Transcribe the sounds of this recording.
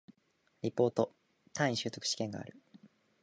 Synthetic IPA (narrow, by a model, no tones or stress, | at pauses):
ɾʲipːo̞ːt̪o̞ | t̪ʰãɰ̃ĩɕɨːt̪o̞kɯ̥ɕi̥kẽ̞ŋɡa̰ːɾɯ̟